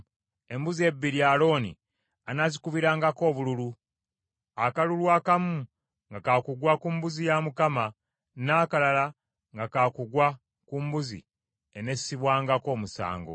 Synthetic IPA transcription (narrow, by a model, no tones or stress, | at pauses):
e̞mbuzie̞bːiɾialo̞ːnḭ | anazikuβiɾaːŋɡako̞ːβululu | akalulwaːkamu | ŋɡakakuɡwakumbuzijamukama | naːkalala | ŋɡakakuɡwa | kumbuzḭ | ene̞siβwaːŋɡako̞ːmusa̰ːŋɡo̰